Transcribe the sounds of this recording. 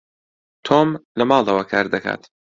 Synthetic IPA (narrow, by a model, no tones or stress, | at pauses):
t̪ʰomlɐmɑːlˠd̪ɐwɐkʰaɾd̪ɐkʰa̰ːt̪